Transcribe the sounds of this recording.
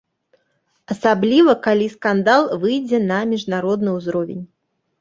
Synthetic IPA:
ɐsablʲivɐkalʲiskand̪alˠvɨjd͡zʲɛnɐmʲiʐnaɾɔd̪nɨuzɾɔvʲḛnʲ

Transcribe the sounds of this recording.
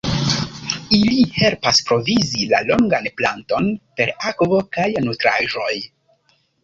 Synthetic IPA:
ilihe̞lpaspɾo̞vizila̰lo̞ŋɡanpla̰nto̞npe̞ɾakvo̞kajnutɾaʒo̞j

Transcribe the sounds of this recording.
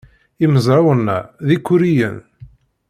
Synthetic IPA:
iməzɾˤɑwənːæ̰ðikːʊɾijə̰n

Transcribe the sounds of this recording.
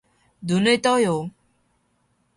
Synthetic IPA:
d̪unəjt̪ɔjo

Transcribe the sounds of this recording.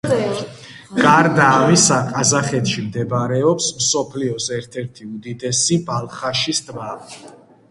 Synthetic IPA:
ɡ̥aɾd̪aːmisaqʼazaχɛt̪ʃimd̪ɛbaɾɛɔpsmsɔpʰliɔsɛɾt̪ʰɛɾt̪ʰiud̪id̪ɛsibalˠχaʃist̪ʼba

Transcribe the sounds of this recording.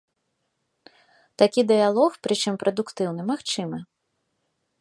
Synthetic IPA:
t̪akʲid̪ɨjalˠɔxpɾɨt͡ʂɨmpɾɐd̪ukt̪ɨwnɨmaxt͡ʂɨmɐ

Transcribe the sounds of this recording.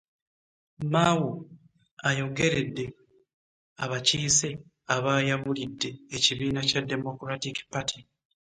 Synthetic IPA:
mawu | ajo̞ɡe̞ɾe̞dːe̞ | aβaciːse̞ | aβaːjaβulidːe̞ːciβiːnacadːe̞mo̞kuɾatiki̥patʰi

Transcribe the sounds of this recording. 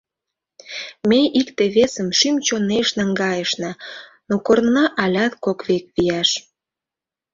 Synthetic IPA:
mejikt̪eβesəmʃymt͡ɕoneʃnɑŋɡɑjəʃnɑ | nokornnɑʔɑlʲɑt̪kokβek̚βijɑʃ

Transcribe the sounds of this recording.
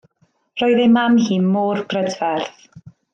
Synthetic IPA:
rɔːɨðemamhiːnmɔːrbrədvɛrθ

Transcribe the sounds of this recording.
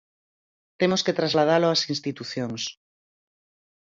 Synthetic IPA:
t̪emosket̪ɾazlað̞aloasinst̪it̪uθjoŋs

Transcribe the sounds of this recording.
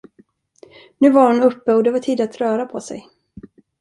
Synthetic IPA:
nʉ̟ːvaɾhʊnɵpːəɔd̪ɛvaʈʰiːd̪at̪ɾœːɾapʰɔsɛ̰j

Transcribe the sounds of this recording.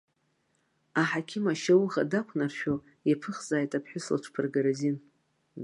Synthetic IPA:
aħakʲʰɪmaʃawʁa̰dakʷʰnarʃᶣo | apʰɨχzaːjtʼapʰħʊsla̰ʈ͡ʂʰpʰɨrɡaɾazin

